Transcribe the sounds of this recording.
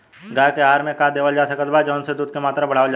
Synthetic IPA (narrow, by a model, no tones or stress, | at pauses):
ɡaːkeaːɾmẽkaːd̪eːʋəld͡ʒaːsɐkət̪bad͡ʒɔːnsed̪uːd̪̚kemaːt̪ɾabɐɽ̤aːʋəld͡ʒa